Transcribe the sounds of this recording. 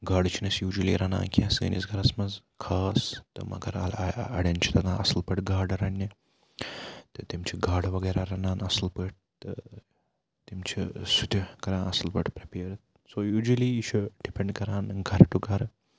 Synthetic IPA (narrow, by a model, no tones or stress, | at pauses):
ɡaːɖt͡ʃʰinɐsjuːd͡ʒulḭɾɐnã̰ːnkʲiɛ̃sɨːnḭsɡɐɾasmɐz | kʰaːst̪ɨ̰mɐ̰ɡɐɾɐ̰lɐ̰ɽent͡ʃʰi̥t̪ɐɡ̪ãɐslpəʈɡaːɾɖɾɐnːi | t̪ɐt̪imt͡ʃʰiɡaːɽʋɐɡɐjɾaɾɐnaːnɐslpəʈ̚ | t̪ə | t̪imt͡ʃʰisut̪ʲikɐɾãːnɐslpəʈpɾipeːɾt̪ | soːjuːd͡ʒuliːt͡ʃʰuɖipeɳɖkɐɾãːnɡʱɐɾʈuɡʱɐɾ